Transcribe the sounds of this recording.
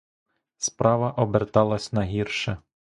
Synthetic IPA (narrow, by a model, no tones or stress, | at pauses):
spɾɑʋɐʔɔbert̪ɑlˠɐsʲnɐɦirʃɛ